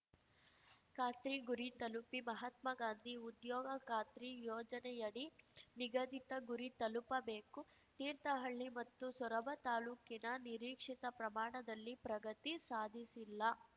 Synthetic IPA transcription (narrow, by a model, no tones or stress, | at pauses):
kaːt̪ɾiɡuɾit̪ɐlupimɐɦɐt̪̚mɐɡaːnd̪ʱiud̪jɔːɡɐkaːt̪ɾijɔːd͡ʒɐnɛjɐɽiniɡɐd̪ʱit̪ɐɡuɾit̪ɐlupɐbeːku | t̪iːɾt̪ɐɦɐɭːimɐt̪ːusɔɾɐbʱɐt̪aːluːkinɐniɾiːkʂit̪ɐpɾɐmaːɳɐd̪ɐlːipɾɐɡɐt̪isaːd̪ʱisilːɐ